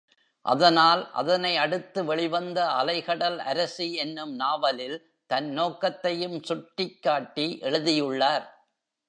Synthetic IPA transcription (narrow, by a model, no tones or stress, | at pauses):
ʔɐ̰ðɐnaːlʔɐ̰ðɐnɐɪɐɽɯt̪ːɯʋɛɭɪʋɐnd̪ɐɐlɐɪɣɐɽɐlɐ̰ɾɐsiɛnːɯmnaːʋɐlɪl | t̪ɐnːoːkːɐt̪ːɐjɯmsʊʈːɪkːaːʈːiʔɛɻɯðɪjɯɭːaːɾ